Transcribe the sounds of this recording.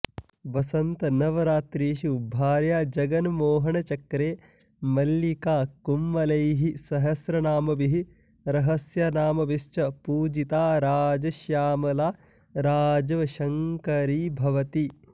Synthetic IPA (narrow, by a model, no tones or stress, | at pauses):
ʋɐsɐnt̪ɐnɐʋɐɾaːt̪ɾiːʃiubʱːaːɾjaːd͡ʒɐɡɐnmoːɦɐɳɐt͡ʃɐkɾeː | mɐlːikaːkumːɐlɐjɦisɐɦɐsɾɐnaːmɐbiɦi | ɾɐɦɐsjɐnaːmɐbiʃt͡ʃɐpuːd͡ʒit̪aːɾaːd͡ʒɐʃjaːmɐlaː | ɾaːd͡ʒɐʋɐʃɐŋkɐɾiːbʱɐʋɐt̪i